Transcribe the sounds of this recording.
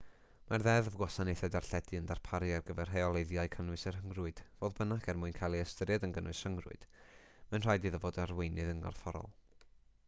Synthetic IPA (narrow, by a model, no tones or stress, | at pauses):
marðɛðəvɡwɔsanejθɛdarɬɛdɨəndarpʰaɾjarɡəvɛrɦeɔlˠejðjaɨkʰənɨsɛrɦəŋrʊɨd̥voːðbənaɡɛrmuːɨnkʰajlˠiəstəɾjadənɡənwɨsrəŋrʊ̰ɨd̥ | manr̥ajdiðɔvoːdarwejnɨðəŋɡɔ̰rfɔɾɔ̰lˠ